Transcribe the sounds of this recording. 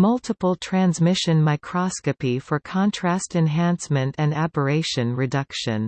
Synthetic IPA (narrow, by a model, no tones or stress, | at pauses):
mʌlˠtʰəpl̩ˠtʰɹ̥æ̃nzmɪʃɨ̃nmaɪkʰɹ̥ɑskɨpifə˞kʰɑ̃ntʰɹ̥æstɛ̃nɦæ̃nsmɨ̃ntɨ̃ndæbə˞eɪʃɨ̃nɹɨdʌkʃɨ̰̃n